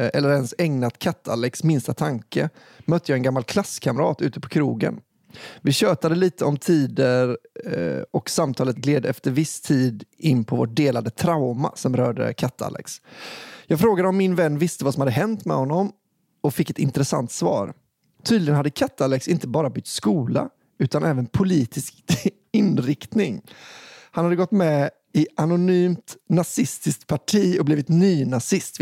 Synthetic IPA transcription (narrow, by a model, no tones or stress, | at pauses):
ɛlːəɾɛnsɛŋnat̪kʰat̪ʰːalːɛksmɪnst̪at̪ʰaŋkə | mœt̪ːəjɑːɛnɡamːalkʰlaskʰaməɾɑ̰ːt̪ʉ̟ːt̪əpʰɔ̥kʰɾuːɡə̰n | vɪɕøːt̪ad̪əliːt̪əɔmt̪ʰiːd̪əɾ | ɔksamt̪ʰɑːlət̪̚ɡleːd̪əɛft̪əɾvɪst̪ʰiːd̪ɪnːpʰɔvoʈ̚d̪eːlad̪ət̪ʰɾaʊma̰sɔmɾœːɖə̰kʰat̪ʰːa̰lʔɛ̰ksjɑːɡfɾoːɡad̪əɔmːɪnvɛnːvɪst̪əvasɔmhad̪ːəɦɛnt̪mɛ̰hɔnːɔm | ɔfɪkːɛt̪ɪnt̪əɾɛsa̰nt̪svɑ̰ːɾ | t̪ʰyːd̪lɪɡənhad̪ːəkʰat̪ːalɛksɪnt̪əbɑːɾabʏk̚t̪skuːla̰ | ʉ̟ːt̪anʔɛːvənpʰʊliːt̪ɪskt̪ | ɪnɾɪkt̪nɪŋ | hanhad̪ːəɡɔt̪ːmɛ | ɪʔanʊnyːmt̪nasɪst̪ɪsk̚t̪̚pʰaʈʰiːɔbliːvɪt̪nyːnasɪst̪